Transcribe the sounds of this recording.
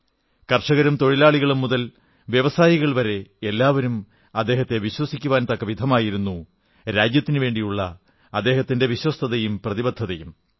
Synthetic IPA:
kɐrʂɐɣɐɾumt̪o̞ɻilaːɭiɣɐɭumːuðɐl | ʋjeʋɐsaːjiɣɐɭʋɐɾe̞elːaːʋɐɾum | ɐd̪ːe̞ːɦɐt̪ːe̞ʋiɕwɐsikʲːuʋaːnt̪ɐkːɐʋid̪ʱɐmaːjiɾunːu | ɾaːd͡ʑjɐt̪ːinɨʋe̞ːɳɖijuɭːɐ | ɐd̪ːe̞ːɦɐt̪ːinde̞ʋiɕwɐst̪ʰɐðɐjumprɐðibɐd̪ʱːɐðɐjum

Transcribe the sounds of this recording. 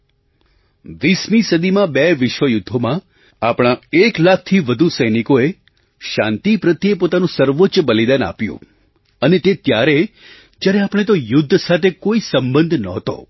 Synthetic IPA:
ʋismisəd̪imãbeʋɪʃʋəjud̪ʱːomã | apɽ̃aeklak̚ʰt̪ʰiʋəd̪ʱusəjnikoe | ʃã̰nt̪ipɾət̪iepot̪anũsəɾʋot͡ʃbəlid̪ana̰pjṵ̃ | ənet̪et̪jaɾe | d͡ʒjaɾeapəɽ̃et̪ojʊd̪ʱːsat̪ʰekoisəmbə̃nd̪ʱnəɦt̪o̰

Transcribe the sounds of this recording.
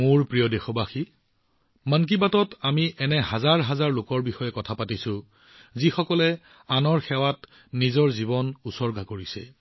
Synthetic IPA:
mʊɹpɹijɔdexɔbaxi | mank̬ibatɔtamiʔɛnɛɦazaɹɦazaɹlʊkɔɹbixɔjɛkɔtʰapatisʊ̃ | zixɔkɔlɛ | anɔɹxɛwat | nizɔɹzibɔnusɔɹɡʱakoɹisɛ̰

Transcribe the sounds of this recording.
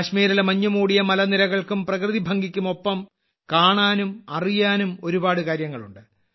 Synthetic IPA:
ɐɕmiːɾɐlmɐɲːumuːɽijɐmɐlɐnilɐɣɐɭkumprɐkrɨðibʱɐŋɡikʲːumo̞pːɐm | kaːɳaːnumɐrijaːnumo̞ɾubaːɽɨkaːɾjɐŋːɐɭuɳɖɨ

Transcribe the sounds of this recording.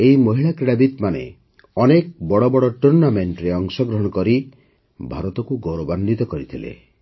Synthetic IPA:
eimɔɦiɭakɾiɽabit̪manḛ | ɔnek̚bɔɽɔbɔɽɔʈuɾnameɳʈɾeɔŋsɔɡɾɔɦɔɽ̃ɔkɔɾi | bʱaɾɔt̪ɔkuɡoɾoband̪it̪ɔkɔɾit̪ʰilḛ

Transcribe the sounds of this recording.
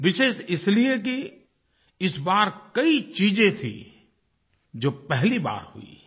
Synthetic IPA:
ʋɪʃeːʃɪslijek̬i | ɪsbaːɾkɐit͡ʃiːd͡ʒẽt̪ʰḭ | d͡ʒoːpɛɦliba̰ːɾhṵḭː

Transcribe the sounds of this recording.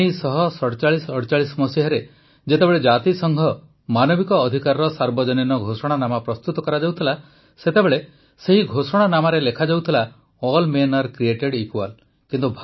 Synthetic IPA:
isɔɦɔsɔɽt͡ʃaɭisɔɽt͡ʃaɭismɔsiɦɔɾe | d͡ʒet̪ebeɭed͡ʒat̪isɔŋɡʱɔ | manɔbikɔːd̪ʱikaɾɔɾɔsaɾbɔd͡ʒɔninɔɡʱosɔɽ̃anamapɾɔst̪ut̪ɔkɔɾad͡ʒawt̪ʰila | set̪ebeɭe | seɦiɡʱosɔɽ̃anamaɾelekʰad͡ʒawt̪ʰila | ɔlmenɔɾkɾieʈeɽikual | kint̪ubʱ

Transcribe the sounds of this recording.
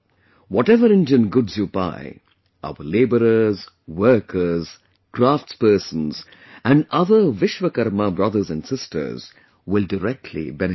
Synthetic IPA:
wɔʈɛʋəɾɪ̃nd͡ʒə̃nɡʊdzjuːba̰ɪ | ʔʌ̰ʋəleːbəɾəz | ʋəɾkʰəz | kɾaːfʈspəːsə̃n̩z | æ̃ɳɖʌðəʋɪʃʋəkɐɾməbɾʌd̪əɾzæ̃nsɪstʰə̰ɾz̥ | wɪlɖəɾɛk̚ʈʰlḭbɛn

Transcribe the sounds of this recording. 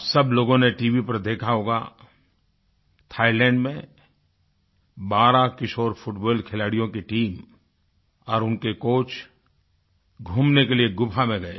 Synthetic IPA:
sɐbloːɡõneʈiːʋipɐɾd̪eːkʰaɦoːɡa̰ | t̪ʰaːilɛ̃ːɳɖmẽ | baːɾakɪʃoːɾpʰʊʈbɔːlkʰɪlaːɽijõkiʈiːm | ɔːɾʊnkekoːt͡ʃ | ɡʱuːmnekelieɡʊpʰamẽɡɐḛ

